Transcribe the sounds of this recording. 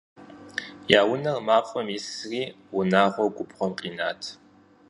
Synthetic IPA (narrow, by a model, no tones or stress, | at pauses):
jaːwʊnɐrmaːfʼɐmjisriː | wʊnaːʁʷɔɡʷʊpχʷɔmqʼiːnaːtʰ